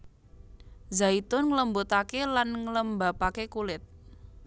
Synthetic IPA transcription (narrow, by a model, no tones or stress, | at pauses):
zait̪ʊnŋləmbot̪akelanŋələmbapakekulɪt̪̚